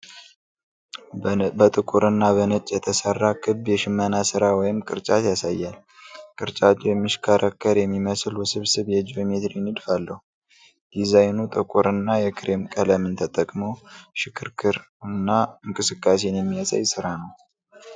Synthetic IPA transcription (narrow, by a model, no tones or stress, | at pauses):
bət̪ʼɨkʼuɾɨnːaβənət͡ʃʼːjɛt̪ʰəsərːakʰɨbjɛʃɪmːənasɨɾawɔjɪmkʼɨɾt͡ʃʼat̪jasajːal | kʼɨɾt͡ʃʼat͡ʃːɛjɛmːiʃkʰaɾʔəkʰːəɾjɛmːiməsɨlwɔsɨβsɨβjɛd͡ʒomet̪ɾinɨd̪falːəhu | d̪̥izajnut̪ʼɨkʼuɾɨnːajɛkʰɨɾe̞mkʼələmɨnt̪ʰət̪ʼəkʼmoʃɪkʰːɨɾkʰɨɾ | ɨnːaɨŋkʼɨsɨkʼːas̬enjɛmːijasa̰jsɨɾanəw